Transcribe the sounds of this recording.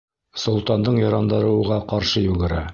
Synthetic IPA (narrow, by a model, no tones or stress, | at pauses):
sŏlˠt̪ɑnd̪ɤɴjɑɾɑnd̪ɤɾɤ̆wʁɑqɑɾʃɤjʉɡɘ̆ɾæ